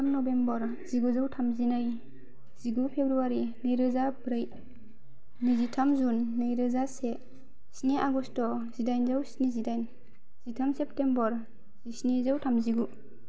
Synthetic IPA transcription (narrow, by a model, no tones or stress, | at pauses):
tʰamnɔbembɔɾ | z̥iɡuzawtʰamzinaj | z̥iɡupʰebɾuaɾinɯjɾɯzabɾɯj | nizitʰamzunːɯjɾɯzase | sneʔaɡɔstɔzidajnzawsnizidajn | z̥itʰamsep̚tembɔɾ | zisnizawtʰamziɡu